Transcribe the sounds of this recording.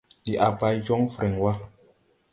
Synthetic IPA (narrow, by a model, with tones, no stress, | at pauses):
di˨ʔa˨ba˨jd͡ʒɔ˦ŋfɾɛ˨ŋwa˦